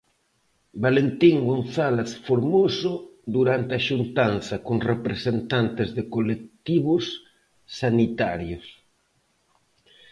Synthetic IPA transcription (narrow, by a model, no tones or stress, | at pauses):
balent̪iŋɡõnθaleθfoɾmosʊd̪uɾant̪ɪaʃunt̪anθɐkoŋrepɾesent̪ant̪ɪzðɪkolek̚t̪iβʊsː | anit̪aɾjos